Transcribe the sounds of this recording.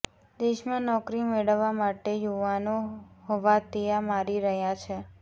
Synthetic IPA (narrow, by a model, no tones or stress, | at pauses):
d̪eʃmãnɔkɾimeɭəʋːamaʈejuʋanohoʋat̪ijamaɾiɾəɦjãt͡ʃʰe